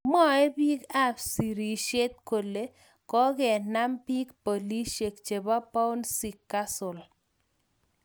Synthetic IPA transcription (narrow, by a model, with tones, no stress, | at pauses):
mɔ˦ɛ˦bi˦ɡa˦fsi˨ɾi˨ʃe˦t̪̚ko˨le˨ | kɔ˦ɡɛ˨na˦mpi˦kpo˨li˦ʃe˨kt͡ʃe˨ba˦pa˦u˦nsi˨kːa˦sʊ˨l